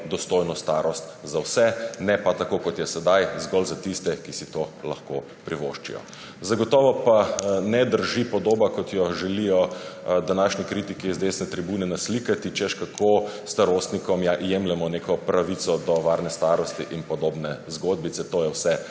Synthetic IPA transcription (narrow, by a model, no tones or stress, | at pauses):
d̪ɔst̪ojnɔst̪aɾɔst̪zawsɛnɛpat̪akokɔt̪jɛsɛd̪ajzɡɔlzat̪ist̪ɛkisit̪ola̰xkoː | pɾiʋo̰ʃt͡ʃḭjɔ̰ | zaɡɔt̪ɔːʋɔpanɛd̪əɾʒipɔd̪oːbakɔt̪jɔʒɛlijɔd̪anaːʃnɛkɾit̪ikiːzd̪eːsnɛt̪ɾɛbuːnɛnaslikat̪it͡ʃɛʃkakʰost̪aɾoːst̪nikɔmjaʔjemlɛmɔnekɔpɾaʋit̪sɔd̪ɔʋaɾnɛst̪aːɾɔst̪iʔinpɔd̪oːbnɛzɡod̪̚bit̪sɛt̪oːjɛwsɛ